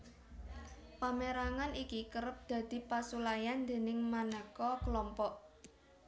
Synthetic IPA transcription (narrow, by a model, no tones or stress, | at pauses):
pameɾaŋanikikəɾəp̚d̪̥ä̤d̪̥i̤pasulajand̪e̤nɪŋmanəkɔkəlɔmpɔʔ